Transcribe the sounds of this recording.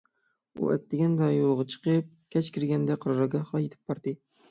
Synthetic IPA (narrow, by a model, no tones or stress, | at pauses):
ṵʔɛ̰t̪ːɪɡʲɛnd̪ɑjolˠʁɑt͡ʃʰə̥qəp̚kʲʰɛt͡ʃkʲʰɪɾɡʲɛnd̪ɛqʰəɾɾɑɡɑχlˠɑjet̪ʰɪ̥p̚bɑɾd̪ɨ